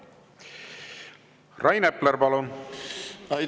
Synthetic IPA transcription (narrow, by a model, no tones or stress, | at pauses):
rʔɑjnepleɾpɑlun | ɑ